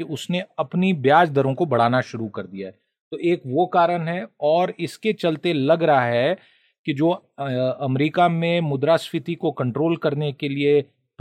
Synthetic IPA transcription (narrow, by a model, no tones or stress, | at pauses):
ʊsneɐpnibjaːd͡ʒd̪ɐɾõkobɐɽ̤aːnaʃʊɾukɐɾd̪ijaɦɛː | t̪oːʔeːkʋokaːɾənɦɛɔːɾɪsket͡ʃɐlt̪elɐɡɾɐɦaɦɛ | kid͡ʒoː | ɐmɾiːkamẽmʊd̪ɾasfɪt̪ikokɐ̃ɳʈɾoːlkɐɾnekelie | p